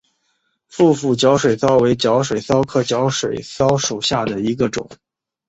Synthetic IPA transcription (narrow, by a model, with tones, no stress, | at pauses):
fu˥˧fu˥˩t͡ɕjɑ˧˥ʊʂwe˨˩ɪsɑ˥ʊwe˧˥ɪt͡ɕjɑ˧˥ʊʂwe˨˩ɪsɑ˥ʊkʰɤ˥˩t͡ɕjɑ˧˥ʊʂwe˨˩ɪsɑ˥ʊʂu˨˩ɕja˥˩d̪ə˩i˧˥ɡə˧ʈ͡ʂʊ̰˨˩˦ŋ